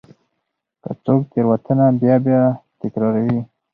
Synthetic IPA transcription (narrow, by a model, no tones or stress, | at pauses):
kə̰t͡sok̚t̪eɾwat̪ənabjɑbjɑt̪ɪkɾɑɾawi